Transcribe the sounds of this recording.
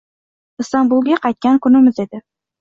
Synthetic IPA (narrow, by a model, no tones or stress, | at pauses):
ɨst̪ɑmbulˠɡʲaqʰɑjt̪̚kʲaŋkʰʊnɪmɪzed̪ɪ